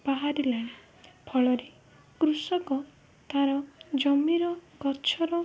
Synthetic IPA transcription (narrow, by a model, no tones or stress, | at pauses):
baɦaɾilaɽ̃i | pʰɔɭɔɾi | kɾusɔkɔ | t̪aɾɔd͡ʒɔmiɾɔɡɔt͡ʃʰɔɾɔ